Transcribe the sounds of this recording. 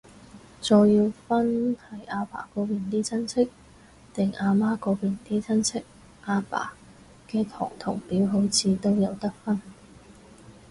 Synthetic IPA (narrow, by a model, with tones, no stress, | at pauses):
t͡sɔː˧jjiː˧wfɐ˥nhɐ˨˥jaː˧pa̰ː˨˩kɔː˨˥piː˨˩nt̪iː˥t͡sʰɐ˥nt͡sʰɪ˥k̚ | t̪ɪ˨˩ŋaː˧maː˥kɔː˨˧˥piː˨nt̪iː˥t͡sʰɐ˥nt͡sʰɪ˥k̚ | ʔaː˧pa̰ː˨˩ | kɛː˧t̪ʰɔ̰ː˨˩ŋt̪ʰʊ˨˩ŋpiː˨˥wɦo˨˥wt͡sʰiː˨˧t̪o˥wjɐ˨˧wt̪ɐ˥k̚fɐ˥n